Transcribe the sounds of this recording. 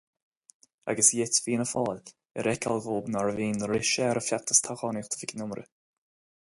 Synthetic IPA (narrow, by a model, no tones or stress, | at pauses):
a̰ɡəsjɪtviːənəfɔːl | ɛɾʔɛkʰa̰lˠɣoːbnaɹəviːnəɾɪʃɛɾəfjat̪əst̪ʰaxɑːnixt̪ʰə̥vɪknʊmɾʔə̰